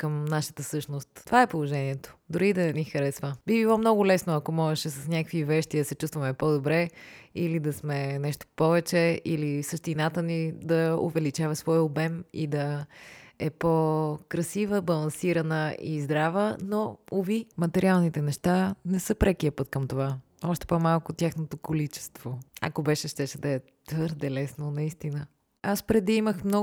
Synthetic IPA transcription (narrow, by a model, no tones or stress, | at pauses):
kəmnaʃə̥t̪əfsɤʃnost̪ːovaɛpolˠoʒɛniɛt̪o̥d̪ʊɾid̪ɐnɛnixəɾɛsvəbibilˠɔmnɔɡʊlɛsnoɐkomɔʒɛʃɛsɐsnʲakvivɛʃt̪id̪əsɛt͡ʃust̪vɐmɛpɔd̪obɾɛilid̪ɐsmɛnɛʃt̪o̥pɔvɛt͡ʃɛilisəʃt̪inat̪ənid̪ɐo̰vɛlit͡ʃavɐsvɔjobɛmḭd̪ɐ | ɛpokɾɐsivəbɐlˠɐnsiɾɐnəizd̪ɾavənoovimɐt̪ɛɾʔialˠnit̪ɛnɛʃt̪anɛsɤpɾʔɛkiəpɤt̪kəmt̪ova | ɔʃt̪ɛ̥pomalˠkʊt̪ʲjaxnot̪okolit͡ʃɛ̥st̪voɐ̰kobɛʃɛʃt̪ɛʃɛd̪ɐɛ | t̪vɤɾd̪ɛlɛsnonɐist̪inə | aspɾɛd̪iiməxmnɔ